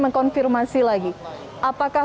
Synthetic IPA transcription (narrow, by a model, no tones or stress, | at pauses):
məŋkɔnfirmasilaɡi | ʔapakah